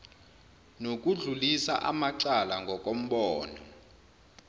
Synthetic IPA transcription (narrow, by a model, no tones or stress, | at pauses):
nok̬ʼuɮulisa̰ʔamaǀalaŋɡʱɔk̬ʼom̩ɓɔːnɔ̰